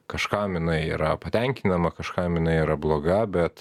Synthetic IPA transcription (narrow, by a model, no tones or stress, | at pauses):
kɐʃkɑmɪnɐɪiːɾɐpɐt̪ʲɛŋʲkʲɪnɐmɐkɐʃkɑmɪnɐɪiːɾɐblˠoːɡɐbʲɛt̪